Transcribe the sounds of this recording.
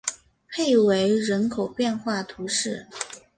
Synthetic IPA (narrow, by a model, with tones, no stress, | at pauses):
pʰe˥˩ɪwe˧˥ɪɻə˧˥nkʰo˨˩ʊpjɛ˥˧nxwa˥˩t̪ʰu˧˥ʂɻ̩˥˩